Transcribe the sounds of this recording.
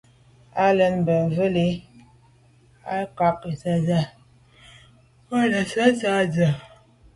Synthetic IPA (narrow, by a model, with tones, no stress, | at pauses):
a˦lə˦nbə˨və˦le˦ | a˦ka˦ke˨sa˦za˦ | wə˦lə˨sa˦za˦˨d͡zə˨